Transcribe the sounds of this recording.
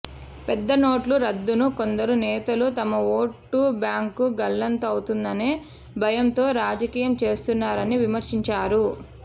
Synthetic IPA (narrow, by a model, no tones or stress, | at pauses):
pɛd̪ːɐno̞ːʈluɾɐd̪ːunuko̞nd̪ɐɾunɛːt̪ɐlut̪ɐmɐo̞ːʈːubjaːŋkuɡɐlːɐnt̪ɐwut̪und̪ɐneː | bʱɐjɐmt̪o̞ːɾaːd͡ʒɐkiːjɐmt͡ʃe̞ːst̪unːaːɾɐniʋimɐɾʂiɲt͡ʃaːɾu